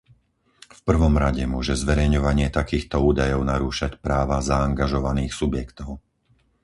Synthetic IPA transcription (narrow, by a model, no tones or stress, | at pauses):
fpr̩ʋɔmɾaɟɛmʊɔʒɛzʋɛɾɛjɲɔʋaɲɪɛt̪akiːxt̪ɔuːd̪ajɔʊnaɾuːʃacpɾaːʋazaːŋɡaʒɔʋaniːxsubjɛkt̪ɔʊ